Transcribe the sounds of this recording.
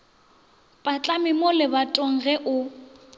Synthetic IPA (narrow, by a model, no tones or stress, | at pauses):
pʼat͡ɬʼamɪmʊlɪbatʼɔŋ̩ɣɛʔʊ